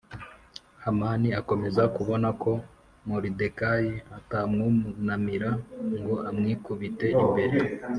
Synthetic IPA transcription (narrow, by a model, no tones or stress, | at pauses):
hamaniako̞me̞zakuβo̞nakʰo̞ | muɾide̞kajiatamŋumunamiɾaŋɡoamŋiːkuβite̞imbe̞ɾe